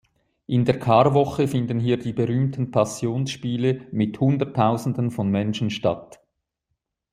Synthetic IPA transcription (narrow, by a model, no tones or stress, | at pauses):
ʔɪndeːɐkʰɑːɾvɔχəfɪndənɦiːɐdiːbəʁyːmtʰən̩pʰasjoːnsʃpiːləmɪthʊndətʰːaʊzn̩dənfɔnmɛnʃən̩ʃta̰t